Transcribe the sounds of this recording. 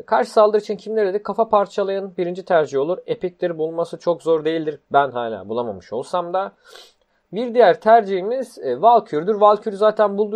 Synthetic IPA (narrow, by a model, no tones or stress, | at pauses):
kʰaɾʃɯ̥salˠɯɾit͡ʃʰincʰimlʲeɾed̪ɛkʰafapʰaɾt͡ʃʰalˠajanɯnbiɾind͡ʒit̪ʰæɾd͡ʒiɦo̞lˠuɾe̞pic̚lʲiɾbulˠmasɯt͡ʃʰo̞kzo̞ɾd̪e̞jilʲd̪iɾbænɦaːlʲa̰ːbulˠama̰mɯʃo̞̰lˠsamd̪a | biɾd̪ijæɾt̪ʰæɾd͡ʒiɦimiz̥valˠcʰyɾd̪yɾvalˠcʰyɾzaːt̪ʰænbulˠd̪u